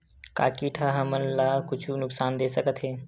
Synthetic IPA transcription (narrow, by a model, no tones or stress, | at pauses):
ka̰ːkiːʈʰaɦəmənlaːkʊt͡ʃʰunʊksaːnd̪eːsəkət̪ɦeː